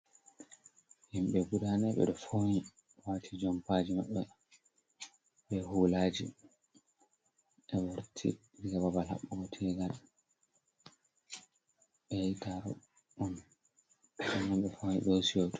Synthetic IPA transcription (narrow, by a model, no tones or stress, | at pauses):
himɓɛɡuɗanɛɓɛ̰ɗɔfoni | waːtʰid͡ʒɔmpad͡ʒimaɓːɛ | bɛhuːlad͡ʒḭ | ʔɛwoɾtʰḭ | iɡababalha̰ɓːuɡɔtʰɛɡal | ɛitaɾɔ̰ | ʔɔn | anamɓɛfoniɗosijotu̥